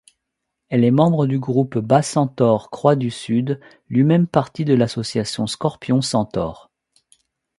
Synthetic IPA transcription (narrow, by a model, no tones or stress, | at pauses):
ɛlɛmɑ̃bʁəd̪yɡʁupbasɑ̃t̪ɔʁkχwad̪ysyd̪ | lɥimɛmpaʁt̪id̪əlasɔsjasjɔ̃skɔʁpjɔ̃sɑ̃t̪ɔ̰ːʁ